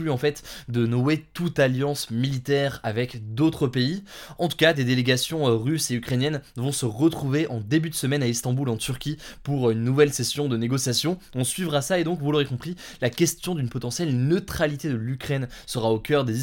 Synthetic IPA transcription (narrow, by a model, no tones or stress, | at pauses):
lyɑ̃fɛt̪d̪ənɔet̪ut̪aljɑ̃smilit̪ɛʁavɛkd̪ot̪χəpeiɑ̃t̪u̥kad̪ed̪eleɡasjɔ̃ʁyseykχenjɛnvɔ̃səʁət̪χuveʔɑ̃d̪ebyd̪əsəmɛnaist̪ɑ̃bulɑ̃t̪yʁkʲipuʁynːuvɛlsesjɔ̃d̪əneɡɔsjasjɔ̃ɔ̃sɥivʁasaed̪ɔ̃kvuloʁekɔ̃pχi | lakʲɛst̪jɔ̃d̪ynpɔt̪ɑ̃sjɛlnət̪χalit̪ed̪əlykχɛnsəʁaokʲœʁd̪e